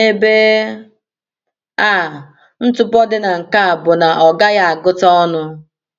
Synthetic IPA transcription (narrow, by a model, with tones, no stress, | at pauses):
ne˦be˦ | a˦˨ | n̩˦tʊ˦pɔ˦dɪ˦na˨ŋ̩˨ka˦a˨bʊ˨na˨ʔɔ˨ɡa˦ja˦a˨ɡʊ˦tɔ˦ɔ˦nʊ˦